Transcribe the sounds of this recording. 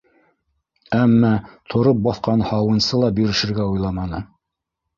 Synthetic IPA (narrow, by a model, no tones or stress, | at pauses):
æmːæt̪ʰŏɾop̚bɑθqɑnhɑwɤ̆nsɤlˠɑbɵɾɘ̆ʃɘ̆ɾɡæujlˠɑmɑnɤ